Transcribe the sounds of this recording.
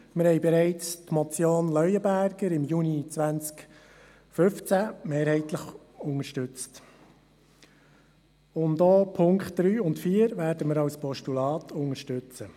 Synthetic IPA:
mɪɾhɛɪbɛɾɛɪt͡stmɔt͡sjoːnlœʏəbæɾɡ̥əɾɪmjuːnit͡sʋænt͡sk | fɵft͡sæmeːɾhɛɪtləχ | ʊŋəʃtʏt͡st | ʊndɔːpʰʊŋkχtd̥ɾyːʊntfiːəɾʋæːɾdəməɾɑwspʰɔʃtulɑːtʰʊŋəʃtʉt͡sə

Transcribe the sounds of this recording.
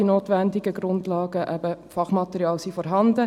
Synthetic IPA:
inoːtʋændɪɡəɡrʊndlɑːɡəʔɛb̥əfɑχmɑtəɾiɑːlsifɔɾɦɑndə

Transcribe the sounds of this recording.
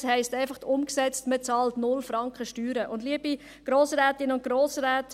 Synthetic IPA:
shɛɪstæɪfɑχtʊmksɛt͡stmət͡sɑːltnʊlfɾɑŋkχəʃtyːɾəʔʊndliəbi | ɡ̥ɾoːsɾɛːtɪnʊnt̚ɡ̥ɾoːsɾɛːt

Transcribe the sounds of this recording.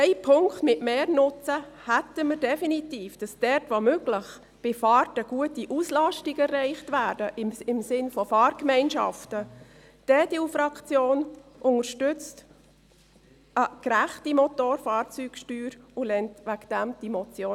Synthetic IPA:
ɛɪpʰʊŋktmɪtmeːɾnʊt͡səhætəməɾdɛfinitiːfd̥ɑsd̥ɛɾtʋomøɡləχ | b̥ɪfɑːrtəɡ̥uətiʔuslɑʃtɪɡɛrːɛɪχtʋæːdəʔɪɪmsɪnfɔfɑːɾkmɛɪnʃɑ̰ftə | d̥eːdeːufɾɑkt͡sjoːnʔʊŋəɾʃtʏt͡st | əkɾæχtimɔtoːɾfɑːɾt͡syːkʃtyːɾʊlɛntʋækd̥æmd̥imɔt͡sjoː

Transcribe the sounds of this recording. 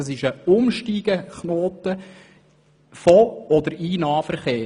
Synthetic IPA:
əsɪʃəʊmʃtiːɡ̥əχnoːt̪ə | fɔɔd̪əɾiːnɑːfəɾχeː

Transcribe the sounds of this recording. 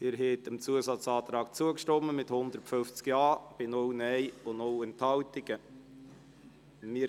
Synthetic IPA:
ɪɾɦɛtəmt͡suəsɑt͡sɑːt̪ɾɑːk̚t͡suəkʃtɔməmɪthʊnd̪əɾtfʏnft͡skjɑːb̥ɪnownɛɪʊnowɛnthɑltɪɡ̥ə | mɪː

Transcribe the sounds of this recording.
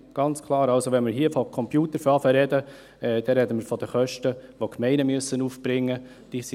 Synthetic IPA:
ɡ̥ɑnt͡skʰlˠɑːɾɑlsoʋɛnmɪɾɦiəfɔkʰɔmpjuːt̪əɾfɑfəɾɛdə | ɛd̥ɛɾɛdəməɾfɔd̪əχœʃtəʋokʰmɛɪnəmyəsːənuːfb̥ɾɪŋːə | d̥iːs

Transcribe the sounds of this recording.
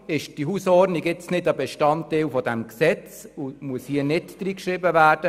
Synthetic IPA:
ɪʃd̥iɦusɔrdniɡɪt͡snɪdəbɛʃtɑnteːlfɔdɛmksɛt͡sumuəshiənɪtd̥riːkʃrɪbəvæːd̥ə

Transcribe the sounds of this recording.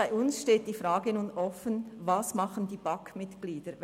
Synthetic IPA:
aɪʊnsʃteːt̚d̥iːfʁaːɡənuːnʔɔfənvasmɑχəndiːbɑkmɪtɡ̥liːdə

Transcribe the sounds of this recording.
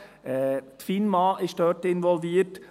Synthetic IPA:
ɛːt̪finmɑːɪʃd̥œːtɪnʋɔlviːət

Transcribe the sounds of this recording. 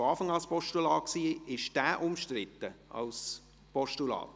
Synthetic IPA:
ɑːfɑŋɑlspɔʃtulɑːksiːɪʃd̥æːʔʊmʃtrɪtːəɑ̰ls | pɔʃtulɑ̰ːt

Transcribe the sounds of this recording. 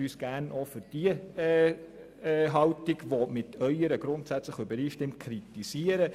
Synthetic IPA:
yːsɡ̥ænofʏɾd̥iə | ɦɑwtɪɡʋomɪtʰœʏəɾəɡ̥ɾʊntsæt͡sləχybəɾiːʃtɪmt̚kʰɾitisiəɾə

